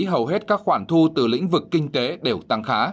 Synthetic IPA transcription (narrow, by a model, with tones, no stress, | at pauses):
ɦə˨˩wɦe˦˥t̚kaː˦˥k̚xwaː˧˩nt̪ʰu˧t̪ɨ˨˩lḭ̈˧˥ŋ̟vɨ˨˩kːï˧ŋ̟t̪e˨˦ɗe˨˧˩wt̪a˧ŋxaː˨˦